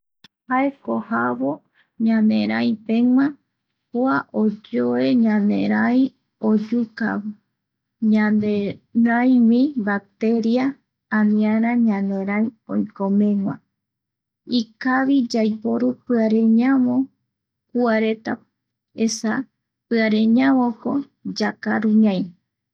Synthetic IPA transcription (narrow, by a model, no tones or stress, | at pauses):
haekohaβo | ɲãnḛ̃ɾ̃ãj̃pẽŋʷã | koaʔod͡ʒoe̞ɲãnḛ̃ɾ̃aj | od͡ʒuka̰βɨ | ɲãnd̪eɾãj̃wĩbak̚t̪e̞ɾiãː | nĩaɾ̃ãɲãnd̪ẽ̞ɾ̃ãjõ̰jkõmẽŋwʷã̰ | ikaʋid͡ʒajpo̞ɾupɨaɾẽ̞ɲãʋõ | kuaɾe̞t̪a | esa | pɨaɾẽɲãʋõko | d͡ʒakaɾuɲãj